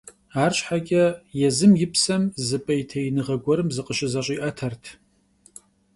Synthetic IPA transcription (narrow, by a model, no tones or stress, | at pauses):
aːrɕħaɡʲʼɐjɛzɨmjɪpsɐmzɨpʼɐjtʰɐjɪnɨʁɐɡʷɔɾɨmzɨqəɕɪzɐɕʼiːʔɐtʰɐrtʰ